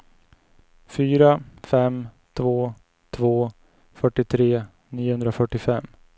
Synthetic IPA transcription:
fyːɾafɛmt̪ʰvoː | t̪ʰvoː | fœʈːɪt̪ʰɾeː | niːʊhɵnd̪ɾafœʈːɪfɛmː

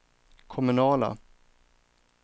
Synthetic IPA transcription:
kʰɔmɵnɑːla̰

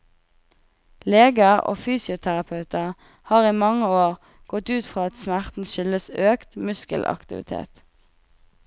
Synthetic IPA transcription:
leːɡəʁo̰ːfyːsɪʊt̪ʰæʁɑpʰɑʉt̪əʁ | hɑːʁiːmɑŋəoːʁ | ɡ̥ɔt̪ʉːt̪fʁɑːɑt̪smæʁt̪n̩ʃʏləsøːkt̪mʉskə̰lʔɑ̰kt̪ɪ̰ʋɪ̰t̪ʰḛːt̪

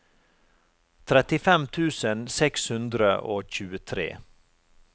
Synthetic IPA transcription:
t̪ʰɾɛt̪ɪfɛmt̪ʰʉːsənsɛkshʉnd̪ɾəʔoːçʉːət̪ʰɾḛː

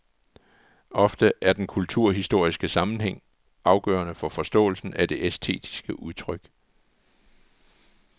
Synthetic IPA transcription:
ʔɒ̽fd̥əʔæɐd̥enkʰult͡sʰuɐ̰ɦisd̥o̝ɐ̰isɡ̥əsɑ̈mn̩ɦeŋ̰ | ʔɑ̈ʊɡ̥œ̰ːɐnəfɒ̽fɒ̽sd̥ɔ̰̽ːl̩sn̩æd̥e̝ʔesdʰe̝̰ːd̥ʰi̥sɡ̥əʔuðˠt͡sʰʁœɡ̥

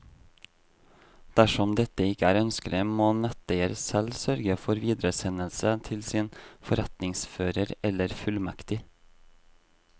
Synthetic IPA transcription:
d̪̥æʃɔmd̪ɛt̪əɪkəæːɾœnskələmoːnɛt̪əeɾsɛlsœɾɡəfɔɾʋiːd̪ɾəsɛnəlsət̪ʰɪlsiːnfɔɾɛt̪nɪŋsføːɾəɾɛləɾfʉlmɛkt̪ɪ

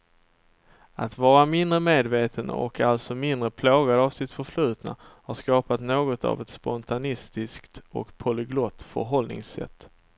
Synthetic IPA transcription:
at̪vɑːɾamɪnd̪ɾəmeːd̪veːt̪ʰən̰ɔ̰kʰalt̪sɔmɪnd̪ɾəpʰloːɡad̪avsɪt̪fœʂlʉ̟ːt̪na̰haʂkɑːpat̪noːɡɔt̪ʰa̰vɛt̪spɔnt̪ʰanɪst̪ɪskt̪ɔ̰kpʰɔlɪɡlɔt̪ːfœ̰ɾɦɔlnɪ̰ŋsɛ̰t̪ː

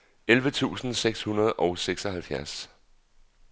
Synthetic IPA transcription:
elʋət͡sʰṵːsn̩seɡ̥shunɐð̞ˠʔɒʊseɡ̥sɒ̽ɦælfjæɐs

